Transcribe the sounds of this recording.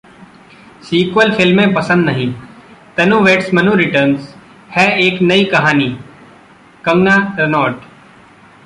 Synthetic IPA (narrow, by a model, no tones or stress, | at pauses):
siːkʋəlfʰɪlmẽpɐsə̃nd̪nɐɦĩt̪ɐnũʋeːʈsmɐnũɾɪʈəɾnz | hɛeːknɐikɐɦaːniː | kɐ̃ŋɡnaɾɐnɔːʈ